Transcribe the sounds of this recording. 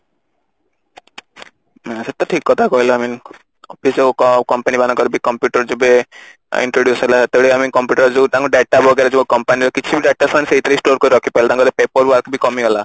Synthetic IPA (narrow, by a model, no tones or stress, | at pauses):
aset̪ːɔʈʰikːɔt̪ʰakɔɦilɔamin | ɔpʰisokkɔmpanibanakɔɾbikɔmpjuʈɔɾd͡ʒobe | ḭɳʈɾoɖjusɔɦilat̪eɽeamikɔmpjuʈɔɾd͡ʒet̪ãŋkuɖeʈabʱɔɡeɾad͡ʒokɔmpanilekit͡ʃʰibiɖeʈasañseɦit̪aɾisʈoɾkɔɾiɾɔkʰipailat̪ãŋkɔt̪epepɔɾwɔɾkbikɔmiɦɔla